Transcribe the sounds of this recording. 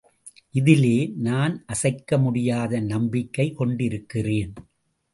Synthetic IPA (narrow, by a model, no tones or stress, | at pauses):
ʔɪðɪleːnaːnʔɐsɐɪkːɐmʊɽɪjaːðɐnɐmbɪkːɐɪkɔɳɖɪɾɯkːɪreːn